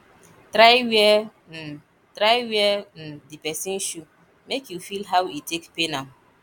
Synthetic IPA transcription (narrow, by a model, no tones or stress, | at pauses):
tɾaɪwiɛ | n̩ | tɾaɪwiɛn̩dipɛsĩn̩ʃu | mekjufilɦawitekpenam